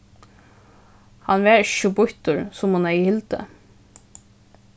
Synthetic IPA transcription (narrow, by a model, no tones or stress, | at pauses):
hɑnʋeːɹʃubʊht̪ʊɹsʊmhʊnæhɪlt̪ə̰